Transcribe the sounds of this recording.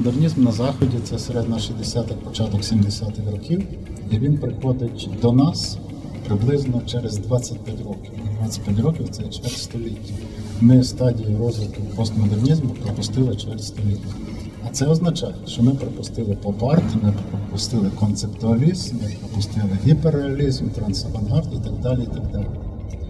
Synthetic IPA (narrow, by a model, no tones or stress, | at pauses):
mɔd̪ernʲizmnɐzɑxɔdʲit̪sɛseɾɛd̪nɐʃizʲd̪esʲat̪ɪxpɔt͡ʃɑt̪ɔksʲimd̪esʲat̪ɪxrɔkʲiwiʋʲinpɾɪxɔd̪ɪtʲd̪ɔnɑs | pɾɪblˠɪznɔt͡ʃɛɾezd̪ʋɑt͡sʲːɐt̚ʲpʲjatʲrɔkʲiwɪd̪ʋɑt͡sʲːɐ̥t̚ʲpʲat̬ʲɾɔkʲiwt̪sɛt͡ʃʋɛrʲst̪ɔlʲitʲːɐ | mɪst̪ɑdʲijiɾɔzʋɪk̪ʊwpɔst̪mɔd̪ernʲizmʊpɾɔpʊst̪ɪlˠɪt͡ʃɛɾsʲst̪ɔlʲitʲːɐ | ɐt̪sɛɔznɐt͡ʃɑjɛʃt͡ʃɔmɪpɾɔpʊst̪ɪlˠɪpɔpɑrt̪ɪmɪppɾɔpʊst̪ɪlˠɪkɔnt̪sept̪ʊɐlʲizmnɪpɾɔpʊst̪ɪlˠɪɦʲipeɾeɐlʲizmt̪ɾɐnsɐʋɐnɦɑrd̪it̪ɑɡ̚d̪ɑlʲiit̪ɑɡ̚d̪ɑlʲi